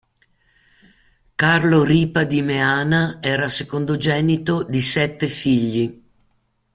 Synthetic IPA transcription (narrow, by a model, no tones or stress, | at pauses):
karloɾiːpad̪imeaːnaɛːɾasekond̪od͡ʒɛːnit̪od̪isɛt̪ːefiʎːi